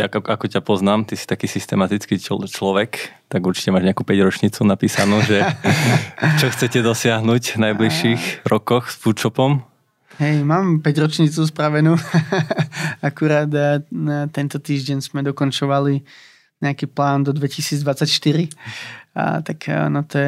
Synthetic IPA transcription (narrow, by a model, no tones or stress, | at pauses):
akakɔcapɔznaːmt̪isi̥t̪akiːsist̪ɛmat̪it͡skiːt͡ʃlɔʋɛk | t̪aɡuɾt͡ʃi̥cɛmaːʒɲɛakuːpɛɟɾɔt͡ʃɲit͡sunapiːsanuːʒɛ | t͡ʃɔxt͡sɛcɛd̪ɔsɪaɦnuːɟvnajbliʃiːɣɾɔkɔxsfuːt͡ʃɔpɔm | ɦɛjmaːmpɛɟɾɔt͡ʃɲiːt͡suːs̬pɾaʋɛnuː | akuɾaːt̪ | t̪ɛnt̪ɔt̪iːʒɟɛɲzmɛd̪ɔkɔnt͡ʃɔʋali | ɲɛakiːplaːnd̪ɔd̪ʋɛcisiːd͡zd̪ʋat͡sːacʃt̪iɾḭ | t̪aknɔt̪ɔɛ